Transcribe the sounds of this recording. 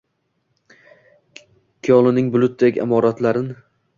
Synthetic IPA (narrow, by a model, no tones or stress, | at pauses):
kʲʰijɒlˠɪnɪŋbʊlˠʊt̪̚ːeɡʲa̰mɒɾat̪laɾɪn